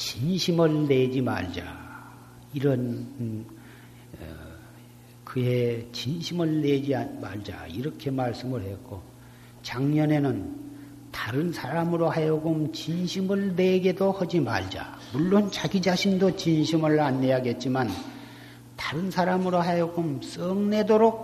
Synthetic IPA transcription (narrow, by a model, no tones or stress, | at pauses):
t͡ɕinɕʰimɯɭːe̞d͡ʑima̰ɭd͡ʑa̰ | iɾʌn | kɯe̞t͡ɕinɕʰimɯɭne̞d͡ʑiamaɭd͡ʑa̰iɾʌkʰe̞maɭs͈ɯmɯɭhe̞t̚k͈o | t͡ɕaŋɲʌne̞nɯn | taɾɯnsʰaɾamɯɾohajʌɡomt͡ɕinɕʰimɯɭne̞ɡe̞dohʌd͡ʑima̰ɭd͡ʑa̰ | muɭːont͡ɕaɡid͡ʑaɕʰindot͡ɕinɕʰimɯɭanːe̞jaɡe̞t̚t͡ɕ͈iman | tḁɾɯnsʰaɾamɯɾoɦajʌɡoms͈ʌŋne̞doɾok̚